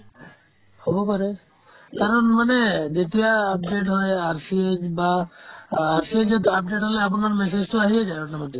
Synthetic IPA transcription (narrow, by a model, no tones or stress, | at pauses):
hɔbɔpaɾe | kaɾɔnmaned̪et̪ijaːp̚ɖeʈɦɔeaɾsied͡ʒbaː | ɾsied͡ʒet̪ap̚ɖeʈɦɔleapɔnaɾmɛs̬ed͡ʒt̪oaɦijad͡ʒaeɔʈnamad̪i